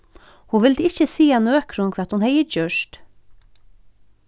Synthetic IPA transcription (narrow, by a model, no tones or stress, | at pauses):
huʋɪld̪ɪçəsiːanøːkʰɾʊŋkʰʋɛːt̪hʊnhɛjəd͡ʒœʃt